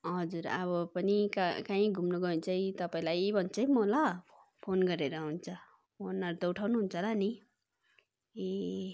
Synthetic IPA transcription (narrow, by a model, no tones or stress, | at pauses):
ɦʌd͡zuɾa̰βʌpʌnikakãĩɡʱumnoɡʌunt͡sʰʌit̪ʌpaĩlajbʱʌnt͡sʰʌjmolʌ | pʰonɡʌɾeɾʌɦunt͡sʰʌ | monʌɾt̪ʌwʈʰawnuɦunt͡sʰʌlani | e